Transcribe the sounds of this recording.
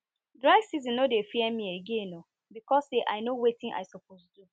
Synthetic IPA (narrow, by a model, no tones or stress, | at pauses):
dɹaɪɡsizĩnnodefiɛmĩeɡẽno | bikɔsseʔa̰ɪnowetĩŋʔa̰ɪsop̚ostu